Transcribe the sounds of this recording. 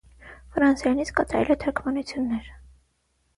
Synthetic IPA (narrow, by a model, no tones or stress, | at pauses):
fɾɑnsjɑnit͡sʰkɑt̪ɑɾɛ̰lɛt̪ʰɔɾkʰmɑnut͡sʰjunːɛɾ